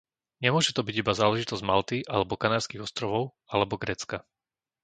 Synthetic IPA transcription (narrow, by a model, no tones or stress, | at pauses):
ɲɛmʊɔʒɛt̪ɔbiɟibazaːlɛʒit̪ɔzɟmalt̪iʔalɛbɔkanaːɾskiɣɔst̪ɾɔʋɔʊ | alɛbɔɡɾɛːt͡ska